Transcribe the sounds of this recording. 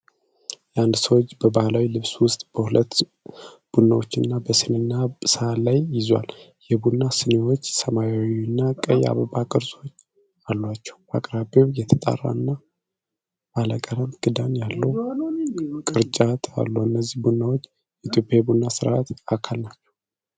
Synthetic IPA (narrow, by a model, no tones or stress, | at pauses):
jand̪səwot͡ʃːbəbahlawilɨβswʊst̪ʼb̥əhulət̪ː | b̥unːawot͡ʃːɪnːabəsɨnɨnːasəalajːɪzwa̰ljɛbunːasɨnewot͡ʃːsəmajawinːakʼəja̰βəbakʼɨɾzo̞ɲ | alːwat͡ʃːɛ̥wakʼɾabewjɛt̪ʰət̪ʼa̰rːa̰ɨnːa | aləkʼəɾəmɡ̥ɨd̪anjalːəw | kʼɨɾt͡ʃʼat̪ʰa̰lːowɨnːəzːihbunːawo̞t͡ʃː | ɛt̪ʰjo̞pʼjajbunːasɨɾaat̪akʰalnat͡ʃːɛ̥w